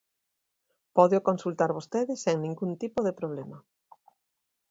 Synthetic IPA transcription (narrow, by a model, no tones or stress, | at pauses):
pɔðjokonsult̪aɾβost̪eðɪsːeŋnĩŋɡunt̪ipoðepɾoβlɛma